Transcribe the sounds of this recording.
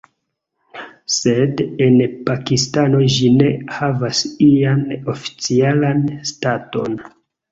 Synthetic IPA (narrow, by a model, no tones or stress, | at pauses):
se̞de̞npakistano̞ʒine̞havasiano̞fi̥t͡sialanstato̞n